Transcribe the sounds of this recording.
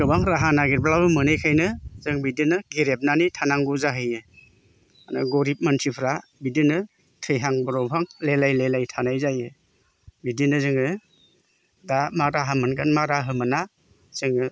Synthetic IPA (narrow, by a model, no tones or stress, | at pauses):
ɡɯbaŋɾaɦanaɡiɾblabɯmɯnejkʰajnɯzɯŋbidinɯɡiɾep̚nanitʰanaŋɡuzaɦɯjɯ | anɯ̰ɡɔɾip̚mantʰipʰɾabidinɯ | tʰɯjɦaŋbɔɾɔpʰaŋlelajlelajtʰanajzajɯ | bidinɯzɯŋɯ | damaɾaɦamɯnɡanmaɾaɦɯmɯna | z̥ɯŋɯ